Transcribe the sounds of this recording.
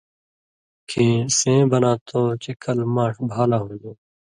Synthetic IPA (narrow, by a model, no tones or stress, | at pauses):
kʰẽːsẽːbənãːt̪ʰoːt͡ʃɪkʰəlmãːʈbʱaːlaːɦõːd̪oː